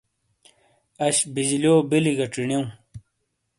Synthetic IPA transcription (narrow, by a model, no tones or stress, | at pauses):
ɐɕbid͡ʑilioːbiliɡɐʈ͡ʂiɳiũ